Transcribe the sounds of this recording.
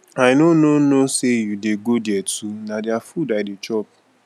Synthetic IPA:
aɪnononosejudeɡodjɛtʰunadɪafudaɪdet͡ʃɔp

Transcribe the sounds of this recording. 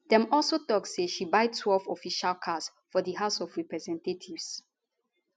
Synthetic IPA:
dɛ̃mɔlˠsotɔkseʃibaɪd̚tʰwɛlvɔfiʃalkʰas | fɔdiɦaʊsɔvɹɛpɹɛzɛ̃ntetʰivs

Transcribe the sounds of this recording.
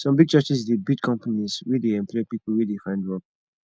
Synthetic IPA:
sɔ̃mbiɡ̚t͡ʃat͡ʃisdebidkʰɔ̃mpaniswideɛ̃mpʰɔpipl̩ˠwidefãɪ̃ndwɔk̚

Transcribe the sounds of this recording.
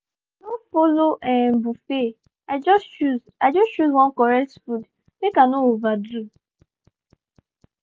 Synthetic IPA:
nofoloʔɛ̃bufe | ad͡ʒɔst͡ʃuz | ad͡ʒɔst͡ʃuzwɔ̃nkɔɹɛktfud | bekanoovadɹu

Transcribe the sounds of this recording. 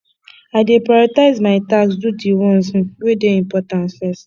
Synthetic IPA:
aɪdepɹaɾɔtaɪzmaɪtaksdutiwɔ̃n̩s̩wedeĩmpɔtãnsfɛs

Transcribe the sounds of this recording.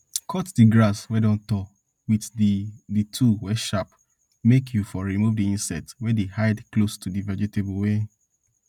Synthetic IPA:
kʰɔtdiɡɹaswɛdɔ̃ntɔ | wiðditʰuwɛʃap | mekʰjufɔɹimuvdiĩnsɛtwɛdehaɪdklostʰudivad͡ʒetebowe

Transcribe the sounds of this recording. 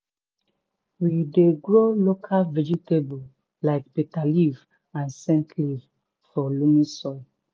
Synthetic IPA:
wideɡɹolokʰalvɛd͡ʒitebul | laɪkbitaliv | ãnsɛ̃ntʰliv | fɔlumĩsɔɪ

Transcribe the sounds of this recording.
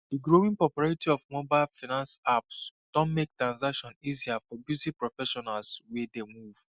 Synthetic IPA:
d̥iɡɹowĩŋpɹɔpɔɹaɹitiɔvmobaɪlfinãnsapsd̥ɔ̃nmek̚tɹãnzakʃɔ̃niziafɔbjutipɹɔfɛʃɔnalswɛdemuv̥

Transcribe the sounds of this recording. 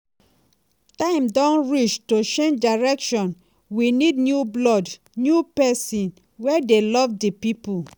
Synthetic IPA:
tãɪ̃mdɔ̃nɹit͡ʃtot͡ʃẽnd͡ʒdaɹɛkʃɔ̃n | winidnjublɔd | njupɛsĩn | wɛdelɔvdipipu

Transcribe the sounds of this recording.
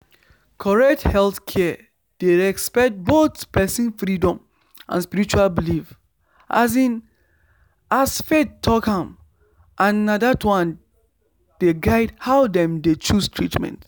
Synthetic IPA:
kʰɔɹɛk̚thɛlθkʰɛ | d̥eɹɛkspɛk̚t̚botpɛsĩnfɹidɔ̃m | ʔã̰nspiɹit͡ʃualbilif | ʔa̰zĩn | asfetʰːɔkãm | ʔãnːadatwãn | d̥eɡaɪdhaʊdɛ̃mdet͡ʃustʰɹitmɛ̰̃nt

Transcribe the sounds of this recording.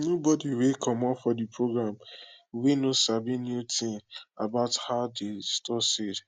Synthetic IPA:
nobɔdiwekʰɔmɔfɔdipʰɹoɡɾamwenosabinjutɪ̃ŋabaʊthaʊdestɔsed

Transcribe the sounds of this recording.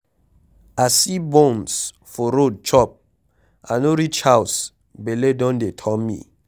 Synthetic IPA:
asibɔ̃ms | fɔɾod̚t͡ʃɔp̚ | anoɾit͡ʃhaws | beledɔ̃ndetʰɔmmḭ

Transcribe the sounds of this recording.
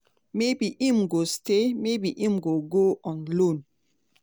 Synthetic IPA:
mebiʔĩmɡostemebiʔĩmɡoɡoʔɔ̃nlõn

